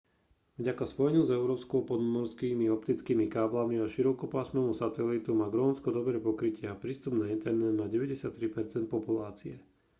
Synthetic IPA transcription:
vɟakaspɔjɛɲuzɛʊɾɔːpskɔpɔd̪mɔɾskiːmiɔpt̪it͡skiːmikaːblamiaʃiɾɔkɔpaːsmɛːmusat̪ɛlit̪umaːɡɾɔːnskɔd̪ɔbɾɛːpɔkɾicɪɛapɾiːst̪ubnaint̪ɛɾnɛd̪maːɟɛʋɛɟɛsɪat̪ːɾipɛɾt͡sɛnt̪̚pɔpulaːt͡siɛ

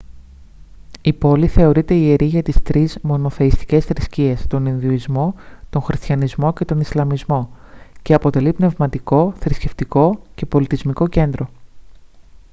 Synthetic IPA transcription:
ipo̞liθe̞o̞ɾit̪e̞ie̞ɾiʝɐt̪ist̪ɾizmo̞no̞θe̞ist̪i̥ce̞sθɾiscie̞st̪o̞ninðioizmo̞t̪o̞ŋxɾist̪çɐnizmo̞ce̞t̪o̞nislɐmizmo̞ceɐpo̞t̪e̞lipne̞vmɐt̪iko̞θɾisce̞ft̪iko̞ce̞po̞lit̪izmiko̞ce̞nd̪ɾo̞

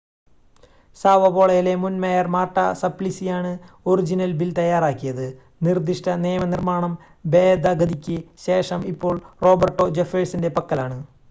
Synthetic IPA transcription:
saːʋɐbo̞ːɭɐjile̞munmejɐrmaːʈːɐ̰sɐplisijaːɳɨorid͡ʑinɐlbilt̪ɐjːaːraːkːijɐðɨ | nird̪iʂʈɐneːmɐnirmaːɳɐm | be̞ːd̪ʱɐɡɐd̪ikʲːɨɕe̞ːʂɐmipːo̞ːɭro̞ːbɐrʈːo̞d͡ʑefeːɻsinde̞pɐkːɐlaːɳɨ

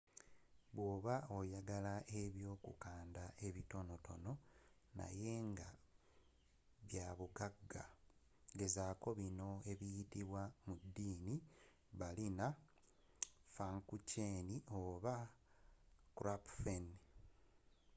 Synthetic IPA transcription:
βwo̞ːβao̞jaɡalaʔe̞βjo̞ːkṵkaːndaʔe̞βito̞no̞to̞̰no̞ | na̰je̞ŋɡa | βjaβuɡaɡa̰ | ɡe̞zaːko̞βino̞e̞βijitiβwamudːiːni | βalina | faŋkucenio̞ːβa | kuɾapfen

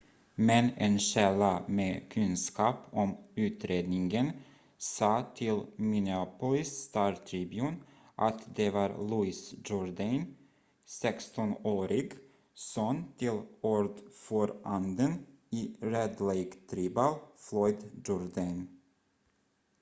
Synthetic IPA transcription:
mɛnenɕɛlːameːkʰɵnskɑːpʰɔmʉ̟ːt̪ɾeːd̪nɪŋɡən | sɑːt̪ʰɪlmɪnɪapʊlɪst̪ɑːɾt̪ʰɾibjʉn | ʔat̪d̪ɛvɑːɾluɪsd͡ʒʊɾd̪an | sɛkst̪ɔnoːɾɪɡ | soːnt̪ʰɪlɔɾd̪fɔɾand̪ən | iɾɛd̪leɡt̪ʰɾiːbalflɔʏd̪d͡ʒʊɾd̪an

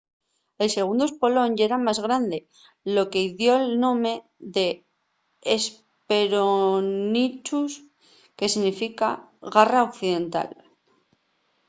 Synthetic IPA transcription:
e̞lse̞ɣ̞und̪oe̞spo̞lo̞neɾamazɣɾand̪e̞ | lo̞ke̞iðjo̞elnõ̞me̞ | ðe̞ː | s | peɾonit͡ʃus | ke̞siɣnifikaɣaraokθiðe̞nt̪a̰l

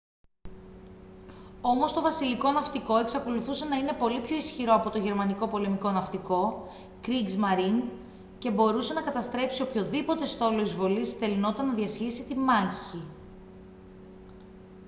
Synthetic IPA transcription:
o̞mo̞st̪o̞vɐsiliko̞nɐft̪iko̞e̞ksɐko̞luθuse̞nɐine̞po̞lipço̞isçiɾo̞ɐpo̞t̪o̞ʝe̞ɾmɐniko̞po̞le̞miko̞nɐft̪iko̞ | kɾiɡzmɐɾin | ce̞bo̞ɾuse̞nɐkɐt̪ɐst̪ɾe̞psio̞pço̞ðipo̞t̪e̞st̪o̞loizvo̞lisθe̞lino̞t̪it̪ɐnːɐðiɐsçisit̪imɐɲçi

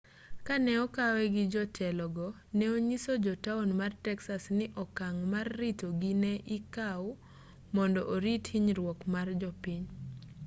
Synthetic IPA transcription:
kanɛɔkawɛɡɪd͡ʒɔtʰɛlɔɡɔ | nɛoɲisod͡ʒɔtaonmartɛksasnɪʔɔkaŋmarːitoɡinɛʔɪkaw | mɔndɔʔoɾithiɲɾwɔkmard͡ʒɔpiɲ

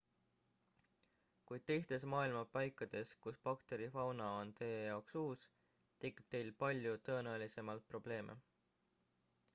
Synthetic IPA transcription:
kujd̪̥̚t̪e̞jst̪e̞smɑːilmɑpɑjkːˑɑd̪̥e̞skuspɑkt̪e̞ɾifɑwnɑo̞nt̪eːjɑoksuːs | t̪ekːˑib̥̚t̪e̞jlpɑlʲjut̪ɤ̞ːnæelise̞mɑlt̪̚pro̞b̥le̞ːmʔḛ

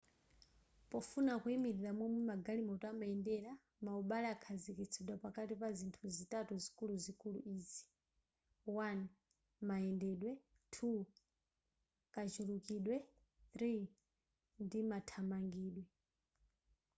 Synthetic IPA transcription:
pɔfunakuimiɾiɾamwɛmumaɡalimɔtamaɛndɛɾa | mauɓalɛakʰazikit͡sʰɛɗwapakatipazintʰuzitatuzikuluzikulṵʔiːzi̥ | wan | maɛndɛɗwɛ | tʰu | kat͡ʃulukiɗwɛ | θɾi | ndimatʰamaŋɡiːɗwɛ

